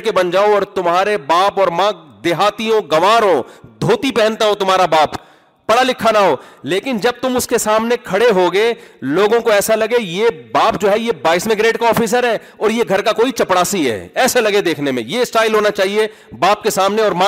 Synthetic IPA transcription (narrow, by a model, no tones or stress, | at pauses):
kebɐ̃nd͡ʒaːoɔːɾt̪ʊmɦaːɾebaːpɔːɾmãd̪eɦaːt̪iõɡɐʋaːɾõd̪ʱoːt̪ipɛɦɛ̃nt̪aɦot̪ʊmɦaːɾabaːpː | ɐɽalɪkʰːanaɦoːleːkɪnd͡ʒɐb̚t̪ʊmʊskesaːmnekʰɐɽeɦoɡeloːɡõkoɛːsalɐɡejebaːpd͡ʒoːɦɛjebaːɪsmɪɡɾeːʈkaɔːfʰiːsəɾɦɛː | ɔːɾjeɡʱɐɾkakoːit͡ʃɐpɽaːsiɦɛ̰ːɛːselɐɡed̪eːkʰnemḛ̃jesʈaːɪlɦoːnat͡ʃaːɦie | baːp̚kesaːmneɔːɾmãː